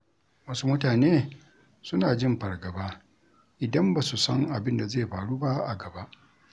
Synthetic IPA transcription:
wɐ˦su˦mʊ˦taː˨neː˦ | sʊ˦naː˨d͡ʒɪ˦mɸɐ˨rɡɐ˨baː˦ | ʔɪ˨dɐ˦mbaː˨su˨sɐ˦ŋʔa˨bɪ˦nda˨zeː˦˨ɸaː˨ɽuː˦ba˦ʔa̰˨ɡɐ˨ba˦ʔ

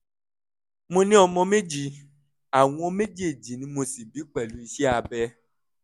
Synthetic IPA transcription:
mõ˧nĩ˦ɔ˧mɔ̃˧me˦d͡ʒi˧ | a˨w̃ɔ̃˧me˦d͡ʒi˦e˨d͡ʒi˨nĩ˨˦mo˧si˨bi˨˦k͡pɛ˦˨lu˨˦i˧ʃi˦a˧˨bɛ˧

